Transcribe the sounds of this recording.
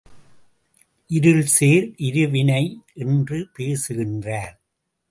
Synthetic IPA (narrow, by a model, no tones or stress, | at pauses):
ʔɪɾɯlseːɾʔɪɾɯʋɪnɐɪʔɛndrɯpeːsɯɣɪndraːɾ